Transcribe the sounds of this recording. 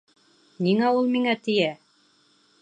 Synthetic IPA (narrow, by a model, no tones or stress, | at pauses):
niŋæulˠmiŋæt̪ɘ̆jæ